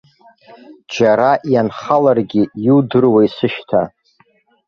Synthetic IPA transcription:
d͡ʒaɾaʔjanχalarɡʲijudɨrwaisɨʃtʰa

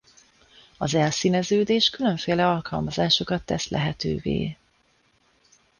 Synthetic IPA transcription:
ɒzɛlsiːnɛzøːd̪eːʃkylø̞ɱfeːlɛɒlkɒlmɒzaːʃo̞kɒt̪ːɛslʔɛ̰ɦɛt̪ø̰ːvḛː

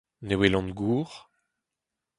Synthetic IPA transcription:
newelɑ̃nɡuːʁ

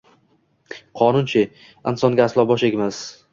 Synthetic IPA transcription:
qʰɒnʊnt͡ʃʰɪ | ɪnsɒnɡʲaːslˠɒbɒʃeɡʲmas

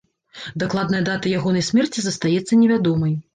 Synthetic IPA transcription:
d̪aklˠad̪nɐjɐd̪at̪ɐjaɣɔnɐjsʲmʲɛrt͡sʲizɐst̪ajɛt̪sːɐnʲɛvʲad̪ɔmɐj

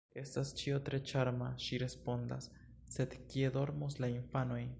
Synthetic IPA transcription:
est̪ast͡ʃiot̪ɾet͡ʃaɾmaʃiɾespond̪a̰sː | ed̪kjeðo̞ɾmoslaiɱfanoj

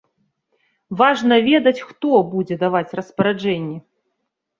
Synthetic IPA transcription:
vaʐnɐvʲɛd̪ɐt͡sʲxt̪ɔbud͡zʲɛd̪avat͡sʲrɐspɐɾad͡ʐɛnʲːɛ

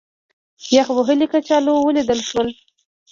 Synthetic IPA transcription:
jaxwəɦəlikat͡ʃɑlowəlid̪əlʃwəl

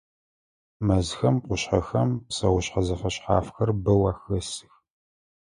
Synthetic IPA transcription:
mɐzxɐmqʷʊɕħɐxɐmpsɐwʊɕħɐzɐfɐɕħa̰ːfxɐrbɐwɐxɐsɨ̥x

